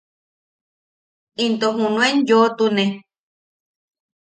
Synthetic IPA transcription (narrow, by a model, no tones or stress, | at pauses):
int̪oɦũnũenjot̪unẽ